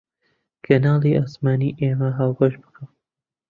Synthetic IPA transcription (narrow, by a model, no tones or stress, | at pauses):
kʰɐnaːliʔaːsmaːniːʔeːmɐɦaːwbɐʃbɨkʰam